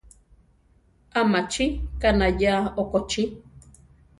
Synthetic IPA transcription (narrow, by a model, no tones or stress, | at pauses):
amat͡ʃikanajaokot͡ʃi